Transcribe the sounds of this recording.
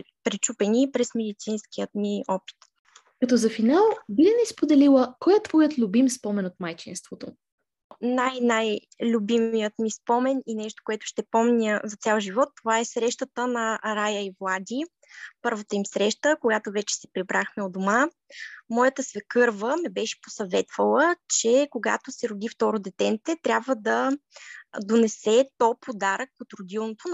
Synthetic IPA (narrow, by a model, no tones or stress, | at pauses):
pɾit͡ʃupɛnipɾɛsmɛd̪it̪sinskijət̪miɔpi̥t̪ | kɐt̪ɔzɐfinalˠbilɛnɛspod̪ɛlilˠəkɔjət̪vɔjət̪lʲubimspɔmɛnot̪̚majt͡ʃinst̪vot̪o | najnaj | lʲʊbimijət̪mispɔmɛninɛʃt̪o̥koɛt̪ʊ̥ʃt̪ɛpɔmnʲəzɐt̪sʲalˠʒivɔt̪ːovaɛsɾɛʃt̪ət̪ənɐɾajəivlˠad̪ʲi | pɤɾvət̪əimsɾɛʃt̪əkoɡat̪ovɛt͡ʃɛ̥sɛ̥pɾibɾʔaxmɛod̪oma | mɔjət̪əsvɛkɤɾvəmɛbɛʃɛ̥po̥sɐvɛt̪vəlˠət͡ʃɛkoɡa̰t̪osɛɾʊd̪ift̪ɔɾod̪ɛt̪ɛnt̪ɛt̪ɾʲabvəd̪ɐ | d̪onɛsɛt̪ɔpʰod̪aɾəkot̪ɾʊd̪ilˠnot̪o